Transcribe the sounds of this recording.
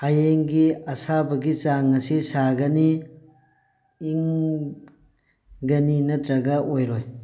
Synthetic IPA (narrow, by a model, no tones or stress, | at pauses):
ajeŋɡiɐsabɐɡit͡ʃaŋɐsisaɡɐni | ŋ | ɡɐninɐt̪ɾɐɡɐʔojɾoj